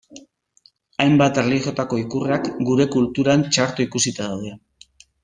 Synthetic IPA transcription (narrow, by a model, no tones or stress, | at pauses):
ajmbat̪erliɣo̞t̪ako̞ikureakɡuɾe̞kult̪uɾant͡ʃaɾt̪uikusit̪aðawð̞e